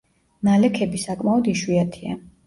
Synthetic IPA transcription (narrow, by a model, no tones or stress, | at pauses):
nalɛkʰɛbisakʼmaɔd̪iʃwiat̪ʰia̰